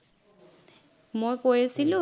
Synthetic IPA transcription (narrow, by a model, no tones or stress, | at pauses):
mɔkʼwesilu